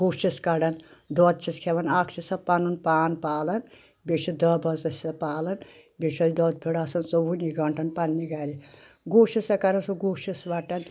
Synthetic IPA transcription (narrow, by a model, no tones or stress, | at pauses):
kuːʃiskɐɖɐnd̪ɔːt̪̚t͡ʃʰiskʰeʋɐnaːkʰt͡ʃʰisɐpɐnunpaːnpaːlɐn | bʲeʃid̪ɐbɐzɐsʲɐpaːlɐn | beʃʰɐjʲid̪ɔːd̪̚pʰiɽaːsɐnsowuniɡɐɳʈʰɐnpɐnːiɡɐɾi | ɡoːʃisɐkɐɾɐnsuɡuːʃisʋɐʈɐn